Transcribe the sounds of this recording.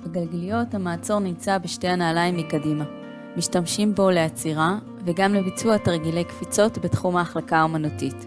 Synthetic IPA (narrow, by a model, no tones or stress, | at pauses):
beɡalɡalijo̞thamaːt͡so̞ʁnimt͡sabeʃte̞janaːlajimikadima | miʃtamʃimbo̞le̞at͡siʁa | veɡamlebit͡suataʁɡile̞jkfit͡so̞tbetχumaːχlakaomanotit